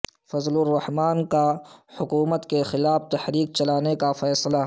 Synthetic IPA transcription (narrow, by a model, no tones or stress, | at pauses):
fɐzlʊrːɐhmaːnkahʊkuːmət̪kexɪlaːft̪ɐhɾiːk̚t͡ʃɐlaːnekafɛːsla